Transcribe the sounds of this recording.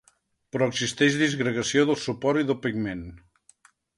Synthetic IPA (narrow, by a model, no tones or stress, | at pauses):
pɾɔəɡzist̪ɛʒðizɣɾəɣəsioðəlˠsupɔɾt̪iðəlˠpiɡmen